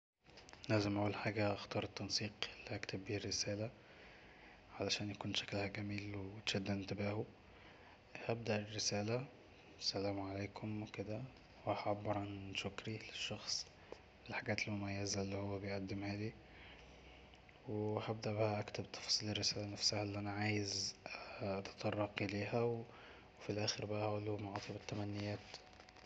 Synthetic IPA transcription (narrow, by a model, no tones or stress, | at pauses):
læzemʔæʔuːlħaːɡæʔɑxt̪ɑːɾˤet̪ːɑnsˤiːqlːiʔækt̪ʰæbːiːrːɪsæːlæ | ʕalæʃæːnjækuːnʃæ̥klhæɡæmiːlwt̪ʃæd̪ːæɪnt̪ɪbæːhu | hæb̚d̪æʔerːɪsæːlæ | sælæːmʕaleːkʰʊmwked̪æ | whʕabːɑɾˤʕanʃʊkɾileʃːɑxsˤ | felħaɡæːt̪elmomæjːæzælːiːhowːæbejʔæd̪ːemhæːd̪i | wehæb̚d̪æʔbæhæʔækt̪æbt̪ʰɑ̥fɑsˤiːlerːesæːlænæfsæhælːiʔænæʕaːjez | ʔɑt̪ɑ̥t̪ˤɑrˤːɑqʔeleːhæw | wefilʔæːxeɾbæʔæhæʔlːumoʕɑːt̪ˤebet̪ːæmænːejːæːt̪